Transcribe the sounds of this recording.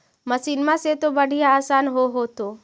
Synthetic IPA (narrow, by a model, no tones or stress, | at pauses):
məsiːnmãset̪obəɽ̤ʱijaːsaːnɦoɦoːt̪oː